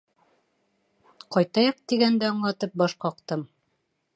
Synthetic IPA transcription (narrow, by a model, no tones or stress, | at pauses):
qɒjt̪ɑjɑq̚t̪iɡænd̪æɑɴlˠɑt̪ɤp̚bɒʃqɒqt̪ɤm